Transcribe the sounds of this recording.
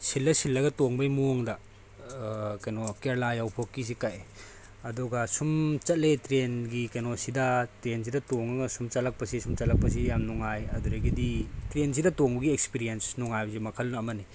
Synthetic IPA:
silːɐsilːɐɡɐtoŋbɐjmuŋdɐ | kajnɔkeɾlajawpʰokːis̬ikaj | ɐdɔɡasumt͡ʃɐt̚letɾenɡikajnɔsidɐtɾens̬idɐtoŋɐɡɐsumt͡ʃɐlɐk̚pɐsisumt͡ʃɐt̚lɐk̚pɐs̬ijamnɔŋajɐduɾɐɡiditɾens̬idɐtoŋbɐɡiekspiɾiensnɔŋajbɐzemɐkʰɐlnɐːmɐni

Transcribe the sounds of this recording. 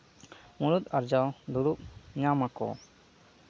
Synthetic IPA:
muɾut̪aɾd͡ʒawd̪uɽuʔɲamakɔ̰

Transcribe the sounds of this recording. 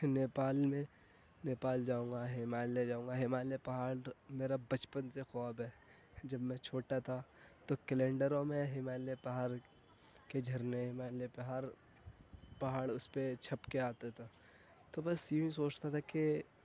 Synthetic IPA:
neːpaːlmẽ | neːpaːld͡ʒaːũːŋɡaɦɪmaːled͡ʒaːũːŋɡaɦɪmaːlepɐɦaːɽmeːɾabɐt͡ʃpənsexaːbɦɛː | d͡ʒɐbmɛ̃t͡ʃʰoːʈat̪ʰat̪okɛlẽːɳɖəɾõmẽɦɪmaːlepɐɦaːɾ | ked͡ʒʱɐɾneɦɪmaːlepɐɦaːɾ | pɐɦaːɽʊspet͡ʃʰɐpkeaːt̪at̪ʰa | t̪obɐsjeĩsoːt͡ʃt̪at̪ʰake

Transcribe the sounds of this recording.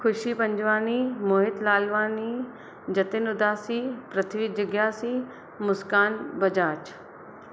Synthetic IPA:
kʰʊʃipɐ̃ɲd͡ʒʋaːnimoːɦɪt̪laːlʋaːni | d͡ʒɐt̪ɪnʊd̪aːsiːpɾɐt̪ʰiʋid͡ʒɐɡjaːsiː | mʊskaːnbɐd͡ʒaːt͡ʃ

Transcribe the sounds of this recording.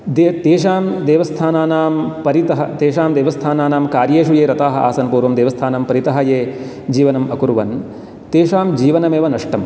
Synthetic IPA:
d̪et̪eːʂ̬aːmd̪eːʋɐst̪ʰaːnaːnaːmpɐɾit̪ɐɦɐ̰t̪eːʃaːmd̪eːʋɐst̪ʰaːnaːnaːmkaːɾjeːʃujeːɾɐt̪aːɦɐ̆a̰ːsɐnpuːɾʋɐmd̪eːʋɐst̪ʰaːnɐmpɐɾit̪ɐɦɐjeː | d͡ʒiːʋɐnɐmɐkuɾuʋɐ̰n | t̪eːʂaːmd͡ʒiːʋɐnɐmeːʋɐnɐʂʈɐm

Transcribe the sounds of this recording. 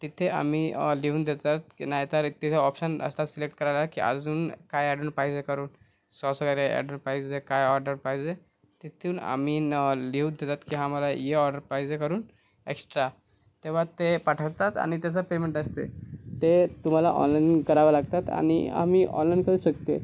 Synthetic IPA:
t̪it̪ʰeʔa̰m̤iːliɦuːnd̪et̪at̪̚naɦjt̪əɾt̪it̪ʰeɔpɕənə̰st̪at̪silek̚ʈkəɾajlakiə̰d͡zuːnkajɛɽuːnpaɦid͡zekəɾuːn | sɔsəɡaɾeɛ̰ɖuːnpaɦid͡zekajɔɾɖəɾpaɦid͡ze | t̪it̪ʰuːna̰m̤iːnliuːnd̪et̪at̪kiɦãməlajeɔɾɖəɾpaid͡zekəɾuːn | eksʈɾa | t̪eʋ̤at̪epaʈʰəʋt̪at̪a̰ñit̪jat͡sapemeɳʈəst̪ḛt̪et̪um̤alaʔɔ̰nlainkəɾaʋalaɡt̪at̪a̰ñḭa̰miːʔɔ̰̃nlainkəɾuːɕəkt̪e

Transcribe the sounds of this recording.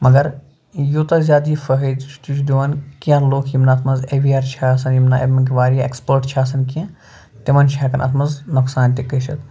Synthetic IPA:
mɐɡɐɾ | jot̪ɐzʲaːd̪iːfəɦəd̪t͡ʃʰt̪ut͡ʃʰd̪oʋɐnkijãloːkʰjimnaːt̪ʰmɐzeʋiaːɾt͡ʃʰaːɐsɐnjimnaḛbmɐkiʋaːɾijaekspəːɾʈt͡ʃʰaːsɐnkiã | t̪imɐnt͡ʃʰaːkɐnʔɐ̰t̪ʰmɐnznɐksaːnt̪ikəʃɐt̪

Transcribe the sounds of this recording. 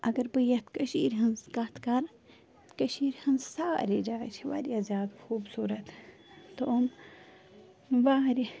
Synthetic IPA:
ʔɐɡɐɾbɨjɐt̪kɐʃiːɾɦɐnzkɐt̪kɐɾ | kɐʃiːɾhɐnzsaːɾid͡ʒaːt͡ʃʰiʋa̰ːɾʲjazʲjaːd̪xuːbsuːɾɐt̪ | t̪oɐm | ʋaːɾi

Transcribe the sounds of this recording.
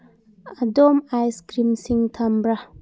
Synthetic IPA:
adomajskɾimsiŋt̪ʰambɾa

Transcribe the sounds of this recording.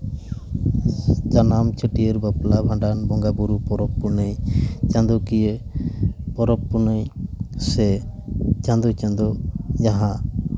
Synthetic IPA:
d͡ʒanamt͡ʃʰəʈijeɾbaplabʱãɳɖanbɔŋɡabuɾupɔɾɔpːuɾnəjt͡ʃãnd̪ɔkije | pɔɾɔpːunəjsɛ | t͡ʃãnd̪ɔt͡ʃãnd̪ɔd͡ʒaɦã

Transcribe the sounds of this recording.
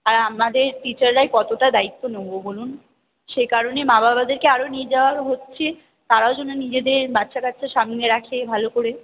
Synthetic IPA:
aɾamad̪eɾʈit͡ɕaɾːaekɔt̪oʈad̪ait̪ːonebobolun | ʃekaɾonemababad̪eɾkeaɾonied͡ʑaoaɾɦotːɕʰe | t̪aɾaod͡ʑonːonid͡ʑed̪eɾbatːʃakatt͡ɕʰeʃamneɾakʰebʱalokoɾe

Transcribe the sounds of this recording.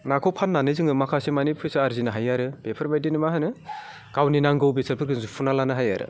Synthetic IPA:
nakʰɔwpʰanːanɯzɯŋɯmakʰasemanipʰɯjsaaɾzinɯɦajaɾɯb̥epʰɯɾbajdinɯmaɦanɯ | kawninaŋɡɯwbesɯɾpʰɯɾɡʰɯnzupʰunalanɯɦajaɾɯ̰

